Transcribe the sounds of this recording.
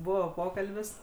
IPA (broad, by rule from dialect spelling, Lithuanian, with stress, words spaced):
ˈbʊʋoː ˈpoːkɐlʲbʲɪs